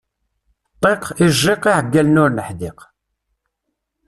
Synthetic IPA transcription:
t̪ˤːeqɪʒeqiʕəɡːælnʊɾnəħd̪ɪq

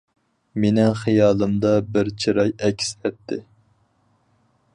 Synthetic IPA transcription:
menɪŋχijɑːlˠɨmd̪ɑbɪɾt͡ʃʰiɾɑjɛkʲʰsɛt̪ʰːɪ

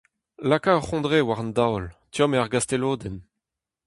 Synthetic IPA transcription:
lakaɔχɔ̃d̪ʁewaʁɑ̃nd̪awlt̪jɔmeaʁɡast̪eloːd̪ɛn

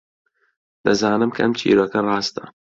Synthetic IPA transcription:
d̪̥ɐzɑːnɨmkʰɐʔɐmt͡ʃʰḭːɾokɐrˤɑːst̪ɐ

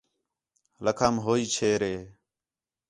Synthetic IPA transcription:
ləkʰaːmɦoːiːt͡ʃʰeːɾeː

